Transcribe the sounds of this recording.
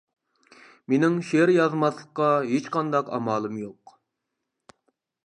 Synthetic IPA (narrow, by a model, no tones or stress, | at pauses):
menɪŋʃeɾjɑzmɑslˠəqːɑɦet͡ʃqʰɑnd̪ɑqɑ̰mɑːlˠɨmjoq